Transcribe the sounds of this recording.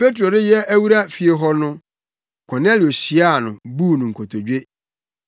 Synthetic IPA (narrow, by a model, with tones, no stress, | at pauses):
pe˦tʰɾo˨dɪ˦jɛ˦æ˦wu˦ɾa˦fi˨e˨ɦɔ˦nʊ̃˦ | kʰɔ˨nɛ˦lɪ˨o˨ɕi˨a˦˨nʊ̃˨buː˦˨nʊ̃˨ŋ̩˨kʰo˨tʰo˨d͡ʑᶣe˦